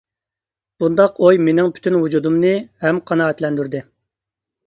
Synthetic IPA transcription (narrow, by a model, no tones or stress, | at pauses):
b̥und̪ɑqojmenɪŋpʰy̥t̪ʰynvud͡ʒud̪umnɨhɛmqʰɑnɑːɛt̪lɛnd̪yɾd̪ɪ